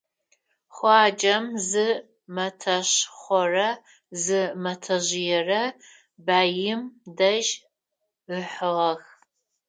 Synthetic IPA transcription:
χʷɑːd͡ʒʼɐmzɨ | mɐtʰɐɕχʷɔrɐ | zɨmɐtʰɐʑɪjɛrɐ | baːjɪmdɐʒ | əħəʁɐx

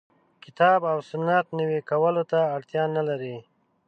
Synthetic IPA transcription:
kɪt̪ɑbawsʊnːat̪niwikawəlot̪aːɽt̪jɑnalaɾi

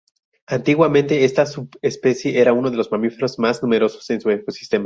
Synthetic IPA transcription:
ant̪iɣwamẽnt̪e̞e̞st̪asuβespe̞sje̞ʔeɾauno̞ð̞e̞lo̞zmamife̞ɾozmaznũme̞ɾo̞so̞̥se̞nsueko̞si̥st̪e̞ma

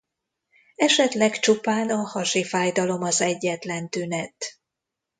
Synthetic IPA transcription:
ɛʃɛt̪lɛkt͡ʃopaːnɒhɒʃifaːjd̪ɒlo̞mɒzɛɟːɛt̪lɛnt̪ynɛt̪

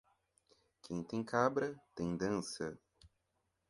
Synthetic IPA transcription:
kʰẽj̃t̪ẽj̃kʰabɾɐt̪ẽj̃d̪ɐ̃nsɐ

